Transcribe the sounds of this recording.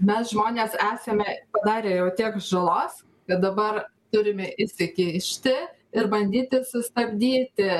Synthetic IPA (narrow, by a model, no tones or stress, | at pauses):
mʲɛsʒmoːnʲeːsæːsʲɛmʲɛpɐd̪ɑːɾʲeːjɛʊt̪ʲiɛkʒɐlˠoːs | kɐt̪̚d̪ɐbɐrt̪ʊɾʲɪmʲɛʔɪʃʲsʲɪkʲɪɪʃʲt̪ʲɪ | ɪɾbɐnʲd̪ʲiːt̪ʲɪsʊst̪ɐbʲd̪ʲiːt̪ʲɪ